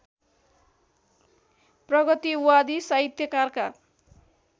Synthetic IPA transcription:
prʌɡʌt̪iwwad̪isaɦit̪jʌkarka

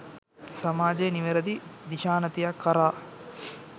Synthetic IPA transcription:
sɐmaːd͡ʒeːniʋeɾɐd̪id̪iʃaːnɐt̪ijakːɐɾaː

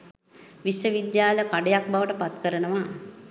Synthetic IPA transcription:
ʋiʃjəʋid̪jaːləkaɖejak̚baʋəʈəpat̪kəɾənəʋa

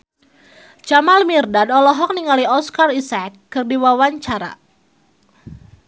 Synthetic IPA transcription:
t͡ʃamalmirdadɔlɔɦɔk̚niŋaliɔskarisakːɨrdiwawaɲt͡ʃaɾa̰

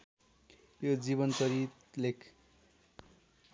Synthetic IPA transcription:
jod͡ziβʌnt͡sʌɾit̪ | lekʰ

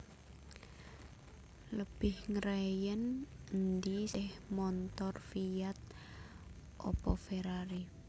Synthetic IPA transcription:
ləb̥ɪhŋɾɛjənnd̪isɪhmɔnt̪ɔrfijat̪̚ | ʔɔ̰pɔfeɾaɾi

